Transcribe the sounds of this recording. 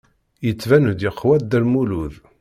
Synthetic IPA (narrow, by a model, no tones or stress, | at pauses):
jət͡sːvænvd̪jəqʰːwæd̪ːælmuluð